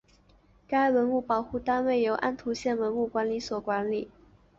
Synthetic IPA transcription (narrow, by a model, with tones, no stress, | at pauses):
ka˥ɪwə˧˥nu˥˩pɑ˨˩˦ʊxu˥˩t̪a˥nwe˥˩ɪjo˧˥ʊʔa˥nt̪ʰu˧˥ɕjɛ˥˩nwə˧˥nu˥˩kwa˧˥nli˧˥swɔ˨˩kwa˧˥nli˨˩˦